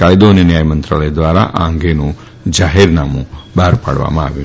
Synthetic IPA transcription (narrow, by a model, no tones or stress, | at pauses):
kaːjd̪oːninjaːjɐmɐnt̪ɾɐɭɐjɐd̪ʋaːɾaʔaːŋɡeːnu | d͡ʒaːɦeːɾnaːmubaːɾpaːɽʋa̰maːʋi